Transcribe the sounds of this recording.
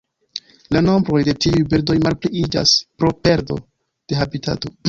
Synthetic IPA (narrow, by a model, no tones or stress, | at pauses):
lano̞mbɾo̞jde̞tiujbiɾdo̞jmalpliid͡ʒa̰spɾo̞pe̞ɾdo̞̰ | d̥e̞ɦabitʰa̰to̞